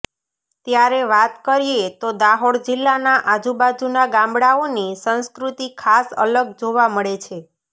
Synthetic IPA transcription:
t̪jaɾeʋat̪kəɾiet̪od̪aɦoɽd͡ʒilːanaʔad͡ʒubad͡ʒunaɡãmbɽaonisə̃nskɾut̪ikʰasə̰ləɡd͡ʒoʋaməɭet͡ʃʰe

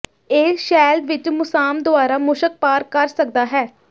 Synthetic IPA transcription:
eːʃɛːld̪ʋɪt͡ʃmʊsaːmd̪ʊaːɾaːmʊʃək̚paːɾkəɾsək̚d̪aːɦɛː

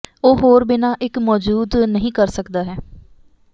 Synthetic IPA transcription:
oːɦoːɾbɪnaːʔɪkmɔːd͡ʒuːd̪nəɦĩːkəɾsəkd̪aːɦɛː

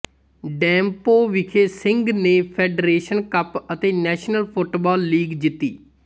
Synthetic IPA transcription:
ɖɛ̃ːmpoːʋɪkʰeːsɪŋɡneːpʰɛːɖɾeːʃənkəpət̪eːnɛːʃnəlpʰʊʈbɔːlːiːɡd͡ʒɪt̪ːiː

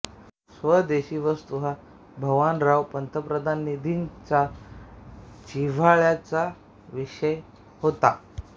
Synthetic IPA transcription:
sʋəd̪eɕiːʋəst̪uɦa | bʱəʋanɾaʋpənt̪əpɾəd̪ʱanːid̪ʱint͡sa | t͡ɕiʋaɭjat͡sa | ʋiʂəj | hot̪a

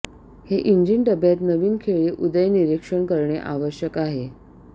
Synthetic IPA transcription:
heʔiɲd͡ʑiɳʈəbʱjat̪nəʋiːnkʰeɭeʔud̪əjniɾikʂəɳkəɾɳeʔaʋəɕjəkaɦe

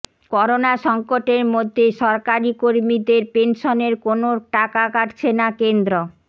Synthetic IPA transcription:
kɔɾonaʃɔŋkoʈeɾmod̪ʱːeʃɔɾkaɾikoɾmid̪eɾpenʃoneɾkonoʈakakaʈt͡ɕʰenakend̪ɾo

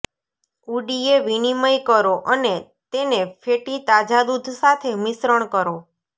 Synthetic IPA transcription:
uɖieʋiniməjkəɾoʔəne | t̪enefʰeʈit̪ad͡ʒad̪ud̪ʱsat̪ʰemɪsɾəɳ̃kəɾo

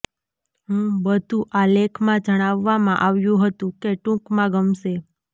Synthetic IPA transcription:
ɦũbəd̪ʱũʔalekʰmãd͡ʒəɽ̃aʋːamãʔaʋjũɦət̪ũkeʈũkmãɡəmʃe

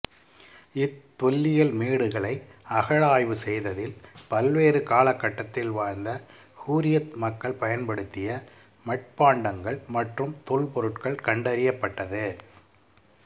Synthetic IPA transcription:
ɪt̪ːɔlːɪjɐlmeːɽɯɣɐɭɐɪɐɣɐɭaːjʋɯsɛjðɐðɪlpɐlʋeːrɯkaːlɐkːɐʈːɐt̪ːɪlʋaːɾnd̪ɐ | huːɾɪjɐt̪mɐkːɐɭpɐjɐnpɐɽɯt̪ːɪjɐ | mɐʈ̚paːɳɖɐŋɡɐɭmɐʈrɯmt̪ɔɭpɔɾɯʈkɐɭkɐɳɖɐɾɪjɐpːɐʈːɐðɯ

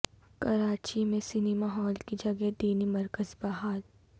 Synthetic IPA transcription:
kɐɾaːt͡ʃimẽsɪnimaɦɔːlkid͡ʒɐɡɛd̪iːnimɐɾkəzbaːɦaːl

